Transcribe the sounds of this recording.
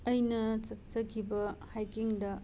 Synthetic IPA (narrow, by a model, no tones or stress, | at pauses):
ɐjnɐt͡ʃɐtsɐkʰibɐhajkiŋdɐ